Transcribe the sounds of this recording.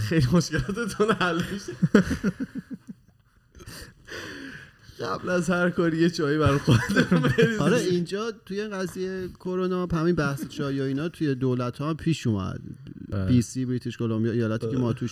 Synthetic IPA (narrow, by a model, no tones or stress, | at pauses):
xejlimo̞ʃkelɒt̪ʰet̪ʰunhælmiʃe | ɡæblæzhæɾkʰɔɾijet͡ʃʰɒːjibæɾxod̪ebeɾiɒɾɛind͡ʒɒːt̪ʰujeiɡæzijejekʰo̞ɾonɒːbhæminbæhset͡ʃʰɒːjɒiːnɒːt̪ʰujed̪olæt̪ʰhɒːmpʰiːʃuːmæ̰d̪̥bisiːbɾit̪ʰiʃkʰolombijɒejɒːlæt̪ʰiːkemɒːt̪ʰuːʃ